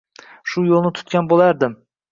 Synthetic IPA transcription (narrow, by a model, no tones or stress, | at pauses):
ʃʊjolˠnɪt̪ʰʊ̥t̪kʲanbolˠaɾd̪ɪm